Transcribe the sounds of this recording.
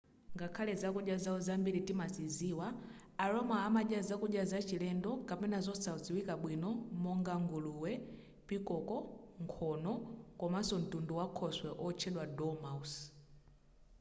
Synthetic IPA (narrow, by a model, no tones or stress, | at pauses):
ŋɡakʰalɛzakuɗjazaɔzambiɾitimasiziwaː | ɾɔmaːmaʄazakuɗjazat͡ʃilɛndɔkapɛnazɔsauziwikaɓwinɔmɔŋɡaŋɡuluwɛ | pikɔkɔŋkʰɔnɔkɔmasɔn̩tunduwakʰɔswɛʔɔt͡ʃʰɛɗwadɔmaus